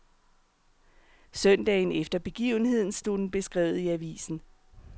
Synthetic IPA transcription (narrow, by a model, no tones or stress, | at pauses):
sœn̰d̥ɛ̰ɪn̩efd̥ɐb̥e̝ɡ̥ḭːʊn̩he̝ð̞̰ˠn̩sd̥od̥n̩b̥e̝sɡ̥ʁɛ̰ːʊð̩ˠiæʋḭːsn̩